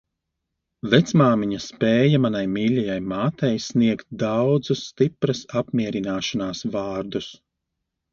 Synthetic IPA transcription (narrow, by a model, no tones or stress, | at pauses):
vɛt̪smaːmiɲɐspʲɛːjɐmanajmiːlʲajajmaːt̪ɛjsniɛkt̪̚d̪awd̪zusːt̪ipɾɐsapmʲiɛɾinaːʃanaːsvɑːɾd̪us